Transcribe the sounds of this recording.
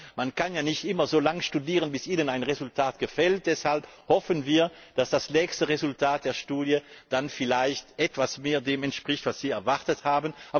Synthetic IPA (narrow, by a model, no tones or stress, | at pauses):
mankanjaːnɪçtʔɪmɐzoːlaŋəʃtudiːʁənbɪsʔiːnənaɪnʁezʊltʰaːtɡ̥əfɛlt̚d̥ɛshalphɔfənviːɐ | d̥asd̥asnɛːkstəʁezʊltʰaːt̚d̥eːɐʃtuːdjəd̥anfɪlaɪçtʔɛtv̥asmeːɐdeːmɛntʃpʁ̥ɪçtv̥asz̥iːɛɐvaʁtəthaːbənʔaː